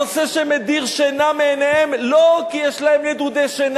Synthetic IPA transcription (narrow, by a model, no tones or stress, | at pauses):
seʃemed̪iʁʃenameːneemlokijɛʃlahemled̪ud̪eʃen